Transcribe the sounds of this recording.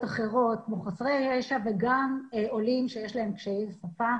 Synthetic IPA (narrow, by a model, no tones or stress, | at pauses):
t̪aχeʁo̞t̪̚boχasʁejʁeʃaveɡamolimʃejeʃlahe̞mkʃejezsafa